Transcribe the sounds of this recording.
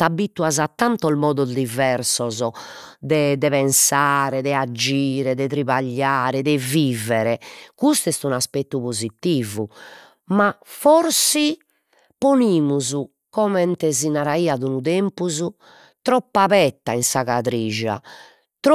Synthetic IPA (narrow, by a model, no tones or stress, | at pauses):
t̪abit̪uazat̪ːant̪ɔlmɔːd̪ɔd̪ivɛɾsɔzɔ | d̪ɛd̪ɛβɛnsaːɾɛðɛad͡ʒiːɾɛðɛt̪ɾiβaʎːaːɾɛðɛviːvɛɾɛkust̪ɛst̪unaspɛt̪ːupozit̪ːiːvu | mafɔɾsi | poniːmuzu | kɔmɛnt̪ɛzinaɾaiːaðunuðɛmpuzu | t̪ɾɔpːaβɛt̪ːainsaɣat̪ɾiːʒa̰ | t̪